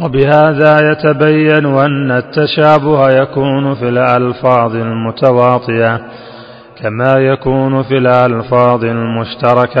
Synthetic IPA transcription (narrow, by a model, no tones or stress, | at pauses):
wabɪhaːðaːjat̪abajːanʔanːat̪ːaʃaːbʊhajakuːnʊfiːlʔɑlfɑːðˤɪlmʊt̪awɑːt̪ˤɨʔa | kamaːjakuːnʊfiːlʔɑlfɑːðˤɪlmʊʃt̪ɑɾˤɑka